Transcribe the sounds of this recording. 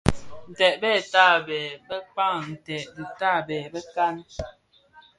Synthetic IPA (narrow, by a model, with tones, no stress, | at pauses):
n̩˨tɛ˨ʔbɛ˦˨taː˦˨bɛ˨bə˦k͡pa˦ŋn̩˨tɛ˨ʔdi˨ta˦˨bɛː˨bə˦ka˦n